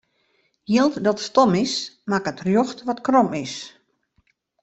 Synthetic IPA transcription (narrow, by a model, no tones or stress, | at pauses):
jilˠtdɔtstɔmɪsmakətrjoxtʋɔtkrɔmɪs